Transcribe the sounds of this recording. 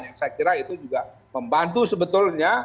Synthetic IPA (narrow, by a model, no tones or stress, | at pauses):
jaŋsajakiɾait̪ud͡ʒuɡa | məmbant̪usəbət̪ʊlɲa